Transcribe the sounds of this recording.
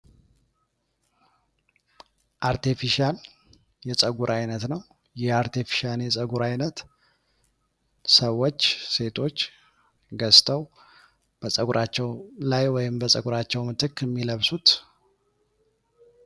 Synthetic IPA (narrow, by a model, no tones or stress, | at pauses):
ʔaɾt̪ʰifiʃal | jɛsʼəɡuɾʔajnət̪nəw | jɛaɾt̪ʰifi̥ʃaljɛsʼəɡuɾajnət̪ | səwːo̞t͡ʃːse̞t̪ʰo̞t͡ʃː | ɡəst̪ʼʰəw | b̥əsʼəɡuɾʔat͡ʃːɛwlajwɔjɪmbəsʼəɡuɾat͡ʃːɛwmɨt̪ʰɨkːɨmːiləβsut̪